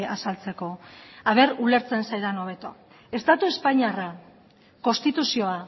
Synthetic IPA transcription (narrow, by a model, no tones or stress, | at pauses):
asalt͡se̞ko̞aβ̞e̞ɾule̞ɾt͡se̞nsajðano̞βe̞t̪o̞̰ | e̞st̪at̪ue̞spaɲiara | ko̞nst̪it̪usio̞a